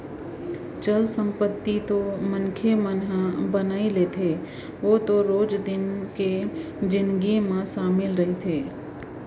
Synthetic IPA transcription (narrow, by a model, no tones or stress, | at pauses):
t͡ʃəlsə̃mpət̪ːit̪omənkʰemənɦabənaːilet̪ʰeː | ʋoːt̪oɾoːd͡ʒd̪ɪnke | d͡ʒɪ̃nd̪ɡimãʃaːmɪlɾɐɦet̪ʰeː